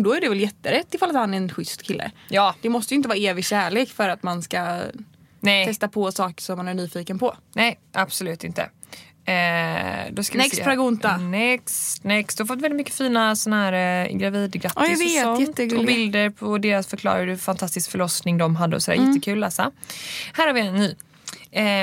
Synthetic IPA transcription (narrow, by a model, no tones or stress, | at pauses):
d̪ɔæɖɛvɛljɛt̪ːəɾɛt̪ːɪfalːt̪hanæɾɛnɧʏst̪kʰɪlːʔə̰jɑːd̪ɛmɔst̪əjʏɪnt̪əvɑːaeːvɪɡɕæːɭeːkfœɾat̪manska | nɛj̪ʰɛst̪apʰɔsɑːkə̥ʂɔmːanæɳyːfiːkənpʰɔnɛɪ | ʔab̥sɔlʉ̟ːt̪ɪnt̪ʰə̰ | ɛːd̪ɔskaɛspɾaɡʊnt̪anɛksnɛksd̪̥ɵhaɾfɔt̪ːvɛlːɪt̪mkːə̥fiːnasɔnhæːɾɡɾaviːd̪ɡɾat̪ːɪsveːɔnjɛt̪ːɔbɪld̪əɾpʰɔd̪eːɾasfœɾklɑ̰ːɾad̪əfant̪ʰast̪ɪskfœɭɔsnɪŋd̪ɔmɦad̪ːə̰ɔ̰sɔd̪æ̰ɾɛɛt̪ːəkʰʉ̟ːlːɛːsahæːɾhaɾvɪɛnːyː | ɛ